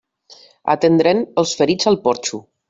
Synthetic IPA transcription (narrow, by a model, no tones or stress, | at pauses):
a̰t̪end̪ɾenəlˠsfəɾid͡zalˠpɔɾt͡ʃu